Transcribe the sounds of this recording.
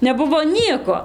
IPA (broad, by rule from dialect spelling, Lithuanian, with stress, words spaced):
nʲɛˈbʊʋoː ˈnʲiɛkoː